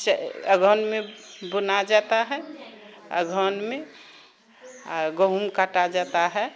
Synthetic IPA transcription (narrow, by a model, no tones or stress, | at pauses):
səɡʱɔnmebunad͡ʒat̪aɦɛ | ə̰ɡʱɔnme | ɡəɦumkaʈad͡ʒat̪aɦɛ